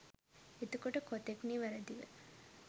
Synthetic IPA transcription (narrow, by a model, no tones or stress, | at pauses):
et̪əkoʈəkot̪ekniːʋæɾəd̪iʋə̰